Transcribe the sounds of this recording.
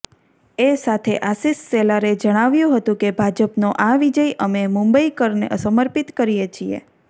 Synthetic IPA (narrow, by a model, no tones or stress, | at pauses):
esat̪ʰeʔasisːelaɾed͡ʒəɽ̃aʋjũɦət̪ũkebʱad͡ʒəpnoʔaʋid͡ʒəjʔəmemũmbəikəɾnḛʔəsəməɾpit̪kəɾijet͡ʃʰiḛ